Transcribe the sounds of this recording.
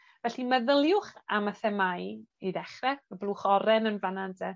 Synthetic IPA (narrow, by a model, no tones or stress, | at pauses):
vɛɬiməðəlˠjʊχaməθɛmajidɛχrɛəblˠuχɔɾɛnənvanandʰɛ